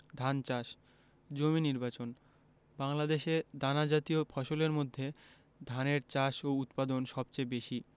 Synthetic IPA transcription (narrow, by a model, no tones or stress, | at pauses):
d̪ʱant͡ɕaʃ | d͡ʑominiɾbat͡ɕon | baŋlad̪eʃed̪anad͡ʑat̪iofʰɔʃoleɾmod̪ʱːe | d̪ʱaneɾt͡ɕaʃout̪pad̪onʃɔbt͡ɕebeʃi